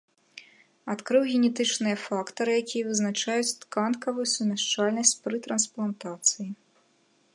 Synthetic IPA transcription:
at̪kɾɨwɣʲɛnʲɛt̪ɨt͡ʂnɨjɐfakt̪ɐɾɨjakʲijɛvɨznat͡ʂajut͡sʲt̪kantkɐvujusʲumʲaʂt͡ʂalʲnɐsʲt͡sʲpɾɨt̪ɾɐnsplˠant̪at̪sɨji

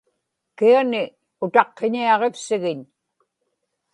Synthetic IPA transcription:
kianɪ | ʊt̪ɑqːeɲiɑʁefsɪɣɪɲ

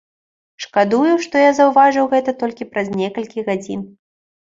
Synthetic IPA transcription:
ʂkad̪ujuʂt̪ɔjazɐwvaʐɨwɣɛt̪ɐt̪ɔlʲkʲipɾɐzʲnʲɛkɐlʲkʲiɣad͡zʲin

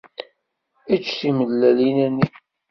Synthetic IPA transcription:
æt͡ʃːθiməðːælinænːi

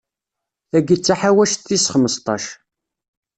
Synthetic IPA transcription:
θæɡət͡sːaħawæʃθːisχməst̪ˤɑ̰ʃ

